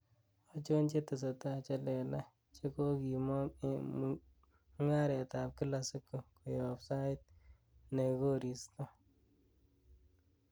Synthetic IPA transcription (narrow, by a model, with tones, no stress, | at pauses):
ɔ˦t͡ʃo˦nt͡ʃe˦tə˨s̬o˨ta˨t͡ʃa˦lɛ˨la˦ | t͡ʃe˦ko˦ki˨mɔ˦ | ŋa˦ɾɛ˨ta˨p̚ki˦la˨si˦kːo˨ku˨jo˨psa˦ɪ˦t̚ | ne˨ɡo˦ɾi˨sto˦